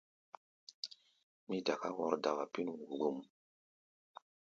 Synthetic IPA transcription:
mi˦da˨ka˦wɔ˦ɾda˨ɣa˨pi˦n˨wu˨ɡu˦m

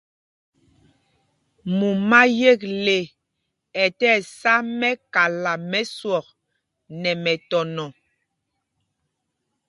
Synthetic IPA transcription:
mu˨ma˦je˦˨k̚le˨ | ɛ˨tɛː˦˨sa˦mɛ˦ka˨la˨mɛ˦swɔ˨k̚ | nɛ˨mɛ˨tɔ˨nɔ˨

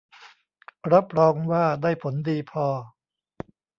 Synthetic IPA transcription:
ɾa˦˥p̚ɾɔː˧ŋwaː˥˩daː˥˩jpʰo˩˦ndiː˧pʰɔː˧

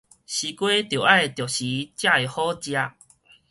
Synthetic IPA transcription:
ɕi˨˧kwe˦t̪jo˨˩ʔa˦˨e˨t̪jɔ˨˩ɕi˨˦t͡ɕja˥˧˨e˨˩hɔ˦t͡ɕja˧

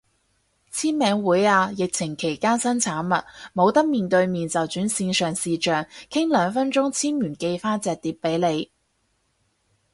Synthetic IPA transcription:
t͡sʰiː˥nmɛː˨˧ŋwuː˨˥jaː˧jɪ˨k̚t͡sʰɪ˨˩ŋkʰe˨˩jkaː˥sɐ˥nt͡sʰaː˨˥nmɐ˨t̚mo˨˧wt̪ɐ˥k̚miː˨˩nt̪ɵ˧ɥmiː˨nt͡sɐ˨wt͡syː˨˥nsiː˧nsœː˨˩ŋsiː˨t͡ʃœː˨ŋkʰɪ˥ŋlœː˨˧ŋfɐ˥nt͡ʃʊ˥ŋt͡sʰiː˥nmyː˨˩nke˧jfaː˥t͡sɛː˨k̚t̪iː˨˥p̚pːe˨˥jle˨˧j

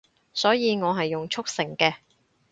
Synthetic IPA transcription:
sɔː˨˥jiː˨˧ŋɔː˨˧ɦɐ˨jːʊ˨ŋt͡ʃʰʊ˥k̚sɪ˨˩ŋkɛː˧

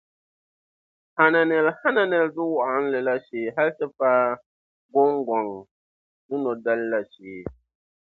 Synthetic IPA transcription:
ha˨na˨nɛ˨lha˦na˨nɛ˨ldʊ˦wʊ˦ʔa˨˦n̩˦lɨ˨la˦ʃeː˨ɦa˦ltɨ˦paː˦ | ɡɔ˦ŋɡɔ˨ŋ | dʊ˦no˨da˦lla˨ʃeː˨

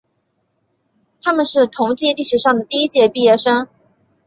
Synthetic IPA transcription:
t̪ʰa˥mə˨nʂɻ̩˥˩t̪ʰʊ˧˥ŋt͡ɕi˥li˥˩ʂu˥˩ʂɑ˥˩ŋd̪ə˩t̪i˥˧i˦˥t͡ɕjɛ˥˧pi˥˧jɛ˥˩ʂə˥ŋ

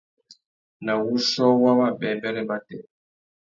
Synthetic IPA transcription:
na˨wu˦ʃɔ˦wa˦βa˦bɛ˨mbɛ˦lɛ˦ba˦tɛ˨

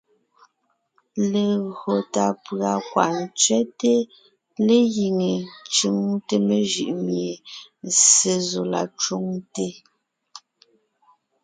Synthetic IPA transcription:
le˨ɣɰo˨ta˨pɰa˨kwa̰˨ʔn˨t͡sɥɛ˦te˦ | le˦ɣi˨ŋe˨t͡ʃɯ˦ŋte˦me˦˨ʒi˨ʔmje˨n˨se˨zo˨la̰˨t͡ʃu˦ŋte˦

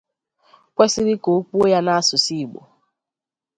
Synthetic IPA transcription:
kʷɛ˦sɪ˦ɾɪ˦ko˨˦k͡pu˦o˦ja˦na˦a˦sʊ˨si˦˨ɡ͡bo̰˨

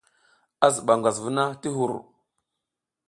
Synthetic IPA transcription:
a˦zə˨ɓa˨ŋɡʷa˨zvu˦na˦ti˦ɦu˨ɾ

